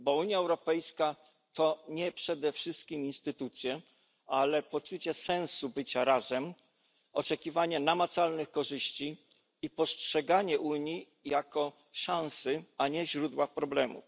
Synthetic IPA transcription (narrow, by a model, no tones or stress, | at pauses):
bɔuɲjaɛwɾɔpɛjska | t̪ɔɲɛpʂɛd̪ɛfʂɘst̪̚kʲiminst̪ɘt̪ut̪sʲjɛ | alɛpɔt͡ʂut͡ɕɛsɛ̃ñsubɘt͡ɕaɾazɛm | ɔt͡ʂɛkʲivaɲɛnamat̪salnɘxkɔʐɘɕt͡ɕi | ipɔstʂɛɡaɲɛʔuɲi | jakɔ | ʂãñsɘaɲɛʑɾud̪wafpɾɔblɛmṵf